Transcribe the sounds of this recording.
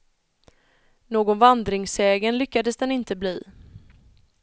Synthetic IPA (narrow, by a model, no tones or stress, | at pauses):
noːɡɔnvand̪ɾɪŋsɛːɡənlʏkːad̪əsd̪ɛnɪnt̪əbliː